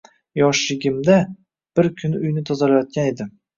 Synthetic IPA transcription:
jɒʃɪɡʲɪmd̪a | b̥ɪɾkʲʰʊnʊjnɪt̪ʰɒzalajɒt̪̚kʲaned̪ɪ

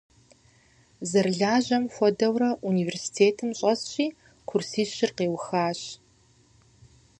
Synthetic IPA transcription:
zɐrɮaːʑɐmxʷɔdɐwɾɐʔuniːversi̥tʰeːtʰɨmɕʼɐsɕʼiː | qʷʰʊrsiːɕɪrqeːwxaːɕ

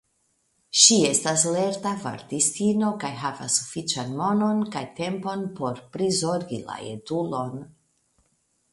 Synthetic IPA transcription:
ʃie̞stasle̞ɾtava̰ɾtistino̞kajɦava̰sːufit͡ʃanmo̞no̞nkajte̞mpo̞npo̞ɾpɾizo̞ɾɡila̰ḛdulo̞n

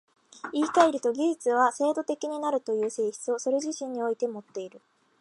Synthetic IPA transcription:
iːkaiɾɯ̟t̪o̞ɡʲiʑit͡sɨβase̞ːd̪o̞t̪e̞kʲiɲ̟inaɾɯ̟t̪o̞jɯ̟ːse̞ːçi̥t͡sɨo̞so̞ɾe̞ʑiɕĩɲ̟ːio̞it̪e̞mo̞t̪ːe̞iɾɯ̟

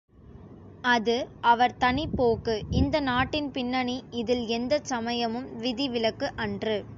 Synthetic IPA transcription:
ɐðɯʔɐʋɐɾt̪ɐɳɪpːoːkɯɪnd̪ɐnaːʈːɪnpɪnːɐɳiɪðɪlɛnd̪ɐsɐmɐjɐmɯmʋɪðɪʋɪlɐkːɯʔɐndrɯ

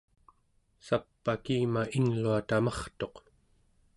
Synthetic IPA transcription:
sapːakiːmaiŋluat̪amɑχt̪o̞q

